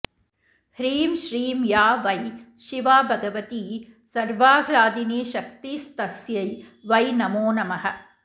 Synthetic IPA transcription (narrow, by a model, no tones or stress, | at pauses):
hɾiːmʃɾiːmjaːʋɐjʃiʋaːbʱɐɡɐʋɐt̪iːsɐɾʋaːɡʱlaːd̪iniːʃɐkt̪iːst̪ɐsjɐj | ʋɐjnɐmoːnɐmɐɦɐ̆